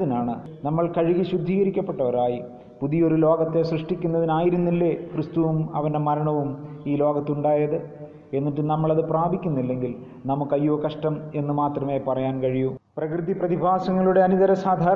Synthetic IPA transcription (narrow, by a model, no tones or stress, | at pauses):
ðinaːɳɨnɐmːɐɭkɐɻiɣiɕud̪ʱːiːɣɐɾikʲːɐpːe̞ʈːɐʋɐɾaːji | puðijo̞ɾulo̞ːɡɐt̪ːe̞srɨʂʈikʲːunːɐðinaːjiɾunːilːekrɨst̪uʋumɐ̰ʋɐnde̞mɐɾɐɳɐʋumiːlo̞ːɡɐt̪ːuɳɖaːjɐðɨ | e̞nːiʈːɨnɐmːɐɭɐðɨpraːbʱikʲːunːilːe̞ŋɡil | nɐmukːɐjːoːkɐʂʈɐme̞nːɨmaːt̪rɐme̞ːpɐrɐjaːnkɐɻijuprɐkrɨðiprɐðibʱaːsɐŋːɐɭuɽe̞ɐniðɐɾɐsaːd̪ʱaːɾ